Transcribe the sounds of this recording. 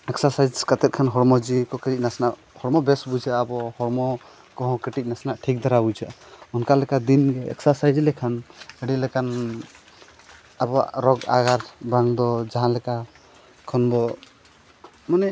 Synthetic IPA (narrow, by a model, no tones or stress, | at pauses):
ɛksasajd͡ʒkat̪ɛt̪̚kʰanɦɔɽmɔd͡ʒikɔkəɾic̚nasnaʔ | hɔɽmɔbɛsbud͡ʒaʔːbɔhɔɽmɔ | kɔɦɔ̃kəʈic̪̚ˀnasnaʔʈʰik̚d̪aɾabud͡ʒaʔ | ɔnkalɛkad̪inɡɛɛ̰ksasajd͡ʒlɛkʰanəɽilɛkan | abɔa̰ɾɔɡa̰ɡaɾbaŋd̪ɔd͡ʒaɦãlɛka | kʰɔnd̪ɔ | manɛ